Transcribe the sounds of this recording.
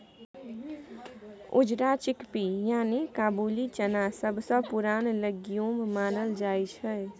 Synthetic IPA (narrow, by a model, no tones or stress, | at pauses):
ʊ̰d͡ʒɾat͡ʃɪkpijaːnikaːbuːlit͡ʃənasəbsə̃pʊɾaːnləɡjõmmaːnəld͡ʒaːit͡ʃʰɛ